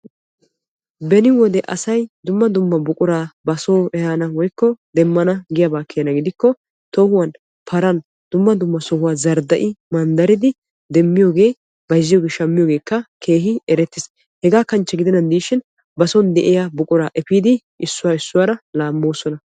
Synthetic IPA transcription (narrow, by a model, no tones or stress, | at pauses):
bɛnɪwɔd̪ɛʔɐsɐjd̪ʊmːɐd̪ʊmːɐbʊkʼʊɾaːbɐsoːɛhanɐwɔjkːɔd̪ɛmːɐnɐɡɪjabaːkːɪjɐnɐɡɪd̪ɪkːɔ | t̪oːhʊwan | pʰɐɾɐn | d̪̥ʊmːɐd̪ʊmːɐsɔhʊwaːzɐɾd̪ɐʔɪmɐnd̪ɐɾɪd̪ɪ | d̪ɛmːɪjo̞ːɡeː | bɐjzːɪjo̞ːɡeːʃɐmːɪjoːɡe̞ːkːɐkʰe̞ːɦɪɛɾɛt̪ːɪs | hɛɡaːkɐnt͡ʃːɛɡɪd̪ɛnɐnd̪iːʃɪn | bɐsɔnd̪ɛʔɪjabʊkʼʊɾaːʔɛpiːd̪ɪ | ʔɪsːʊwaːɪsːʊwaːɾɐlaːmːo̞ːsɔnɐ